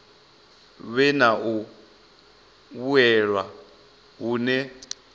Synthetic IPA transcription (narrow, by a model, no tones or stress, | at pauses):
βɛnaʔu | βuɛɺwa | ɦuːnɛ